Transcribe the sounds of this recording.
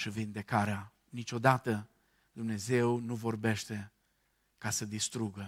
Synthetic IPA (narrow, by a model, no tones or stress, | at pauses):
ʃivind̪e̞kaɾea | nit͡ʃʲo̞d̪at̪ə | d̪umne̞ze̞wnuvo̞rbe̞ʃt̪e̞ | kasəd̪ist̪ɾuɡə